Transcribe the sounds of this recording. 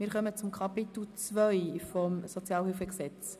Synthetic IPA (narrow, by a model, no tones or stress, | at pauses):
mɪːɾχœmət͡sʊmkʰɑpit̪l̩t͡svœʏfɔmsɔt͡sjɑːlhɪlfəksɛt͡s